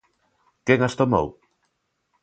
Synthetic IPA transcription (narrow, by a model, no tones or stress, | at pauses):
keŋast̪omo̰w